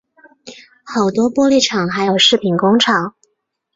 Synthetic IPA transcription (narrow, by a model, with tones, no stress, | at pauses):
xɑ˨˩ʊt̪wɔ˥pwɔ˥li˥˩ʈ͡ʂʰɑ˨˩ŋxa˧˥ɪjo˨˩ʊʂɻ̩˥˩pʰi˨˩nkʊ˥ŋʈ͡ʂʰɑ˨˩˦ŋ